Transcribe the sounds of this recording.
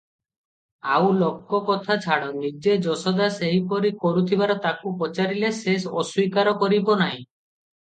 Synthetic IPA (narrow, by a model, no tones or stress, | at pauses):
awlokːɔkɔt̪ʰat͡ʃʰaɽɔnid͡ʒed͡ʒɔsɔd̪aseɦipɔɾikɔɾut̪ʰibaɾɔt̪akupɔt͡ʃaɾilesesɔswikaɾɔkɔɾibɔnaɦĩ